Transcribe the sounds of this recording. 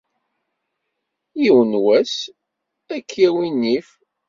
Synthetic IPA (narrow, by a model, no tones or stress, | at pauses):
jiwənwæs | ækʰːiwinːif